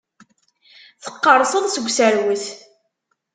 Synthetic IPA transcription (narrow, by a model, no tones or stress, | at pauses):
θə̥qːəɾˤsˤəðˤsəɡʷsəɾwəθ